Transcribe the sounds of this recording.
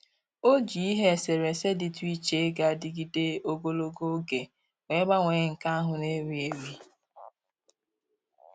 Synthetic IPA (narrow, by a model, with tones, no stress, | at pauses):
o˦d͡ʒi˨˦i˦ɦe˦˨se˨ɾe˨se˦dɪ˨tu˦i˦t͡ʃe˦ɡa˨dɪ˨ɡi˨de˦o˦ɡo˦lo˦ɡo˦ɡe˨ | ŋʷe˦ɡ͡ba˦ŋʷe˨˦ŋ̩˨ka˦ɦʊ˨ne˦ɾi˨e˨ɾi˦